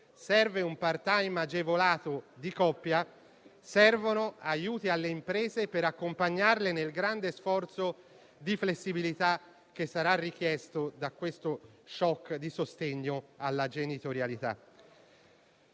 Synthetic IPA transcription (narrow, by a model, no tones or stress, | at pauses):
sɛrveumpart̪ajmad͡ʒevolaːt̪od̪ikɔpːja | sɛrvonoajuːt̪ialːeimpɾeːzepeɾakːompaɲːarlenelɡɾand̪esfɔrt̪so | d̪iflesːibilit̪a | k̟ːesːaɾarːik̟jɛst̪od̪akːwest̪oʃɔkːd̪isost̪eɲːoalːad͡ʒenit̪oɾjalit̪a̰